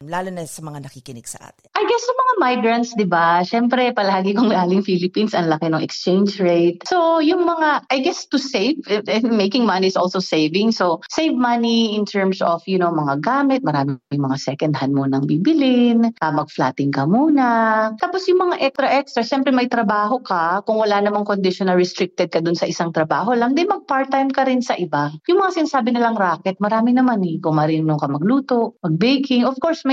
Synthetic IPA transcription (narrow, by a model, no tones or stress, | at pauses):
laːlonɐsɐmɐŋanɐkikɪnɪɡ̥sɐ̰ʔa̰ːt̪ɪʔɐjɡɛsjʊŋmɐŋamajɡɾɐnt̪sd̪ɪbaʃɛmpɾɛpɐlaːɡɪkʊŋlaːlɪŋfilɪpinsɐnlɐkɪnʊŋʔɛ̰kst͡ʃẽjnd͡ʒɹejt̪̚sojʊŋmɐŋaʔɐjɡɛst̪ʊsejvmejkɪŋmɐnisʔolsowsejvɪŋsosejvmɐniʔɪnt̪ʰɛɹmsofjʊnowmɐŋaɡaːmɪt̪̚mɐɾaːmɪŋmɐŋasɛkɐnd̪hɐnmuːnɐŋbiːbɪlɪnʔɐmɐɡ̚flaːt̪ɪŋkɐmuːnɐt̪aːposjʊŋmɐŋaʔɛkst̪ɾɐʔɛkst̪ɾɐʃɛmpɾɛmɐjt̪ɾɐbaːɦo̞kɐkʊŋwɐlanɐmaŋkond̪ɪʃonɐɹɛst̪ɾɪk̚t̪ɛd̪̚kɐd̪ʊnsɐʔɪsaŋt̪ɾɐbaːɦo̞lɐŋd̪ɛnmɐɡ̚paɹt̪ajmkɐɾɪnsɐʔɪbajʊŋmɐŋasɪnasaːbɪnɐlɐŋɾaːkɛt̪̚mɐɾaːmɪnɐmanikʊŋmɐɾɪnnʊŋkɐmɐɡluːt̪oʔmɐɡ̚bejkɪŋʔɔfkoɹsmɐj